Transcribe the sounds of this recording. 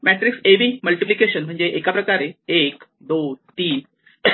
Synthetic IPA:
mɛʈɾikseʋiːməlʈiplikeɕənm̤əɳd͡zeʔekapɾəkaɾeek | d̪ot̪iːn

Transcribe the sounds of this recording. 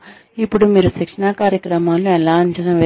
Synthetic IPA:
ipːuɽumiːɾusikʂɐnaːkaːɾjɐkɾɐmaːluɛlaːɐɲt͡ʃɐnɐʋe

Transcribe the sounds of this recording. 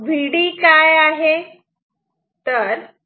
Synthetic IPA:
bʱiɽiːkajaɦe | t̪əɾ

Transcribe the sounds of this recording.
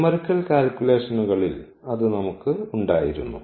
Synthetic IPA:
mɐɾkːɐlkaːlkʲule̞ːʂɐnuɣɐɭil | ɐðɨnɐmukːɨuɳɖaːjiɾunːṵ

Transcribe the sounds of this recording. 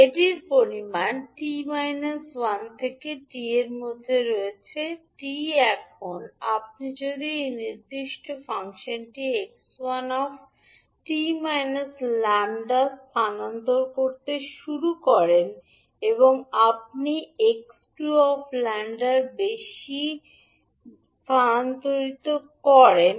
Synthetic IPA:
eʈiɾpoɾimanʈimajnaswant̪ʰekeʈieɾmod̪ʱːeɾoet͡ɕʰeʈiɛkʰona̰p̚nid͡ʑod̪iejniɾd̪iʃʈofaŋʃonʈiekswanɔf | ʈimajnaslɛɳɖaɾt̪ʰanant̪oɾkoɾt̪eʃuɾukɔɾen | eboŋap̚nieksʈuɔflɛɳɖaɾbeʃi | t̪ʰant̪oɾit̪okɔɾen

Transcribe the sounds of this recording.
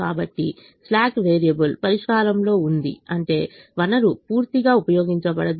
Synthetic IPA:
aːbɐʈːi | slaːkʋeːɾijɐbɐlpɐɾiʂkaːɾɐmlo̞ːund̪ḭɐɳʈe̞ːʋɐnɐɾupuːɾt̪iɡaːupɐjo̞ːɡiɲt͡ʃɐbɐɽɐd̪

